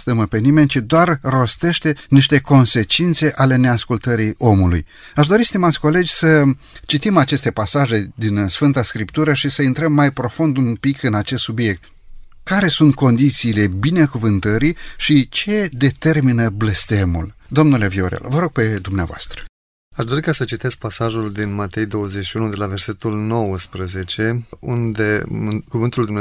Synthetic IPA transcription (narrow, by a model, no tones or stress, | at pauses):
st̪əməpe̞nime̞nʲt͡ʃid̪oarro̞st̪e̞ʃt̪e̞niʃt̪e̞ko̞nse̞t͡ʃint̪se̞ʔale̞ne̞askult̪əɾio̞mulṵj | aʃd̪o̞ɾist̪emat̪sʲko̞le̞d͡ʒʲsə | t͡ʃit̪imat͡ʃe̞st̪e̞pasaʒe̞d̪insfɨnt̪askɾipt̪uɾəʃisəint̪ɾəmːajpɾo̞fund̪umpikɨnat͡ʃest̪subije̞k̚t̪ | kaɾe̞sunt̪̚ko̞nd̪it̪siːle̞binekuvɨnt̪əɾiʃit͡ʃe̞d̪e̞t̪e̞rminəble̞st̪e̞mṵld̪o̞mnule̞vioɾḛlvəɾo̞ɡ̚pe̞d̪umnea̰voa̰st̪ɾə̥ | aʃd̪o̞ɾikasət͡ʃit̪e̞sk̚pasaʒuld̪inmat̪e̞jd̪o̞wəzet͡ʃʃiunud̪e̞lave̞rse̞t̪ulno̞wəspɾəze̞t͡ʃe̞und̪ekuvɨnt̪uld̪umn